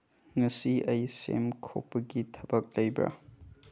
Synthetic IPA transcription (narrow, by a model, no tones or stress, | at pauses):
ŋɐsiɐjsḛmkʰopːɐɡitʰɐbɐk̚lɐjbɾa̰